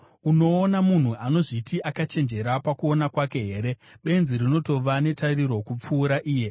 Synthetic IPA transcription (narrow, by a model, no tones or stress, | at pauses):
uno̞ːnamun̤uano̞ʐitiʔakat͡ʃe̞nd͡ʒe̞ɾapakuo̞nakwake̞ɦe̞ːɾe̞ | ɓe̞nziɾino̞to̞ʋane̞tariɾo̞kup͡fuːɾaʔiːje̞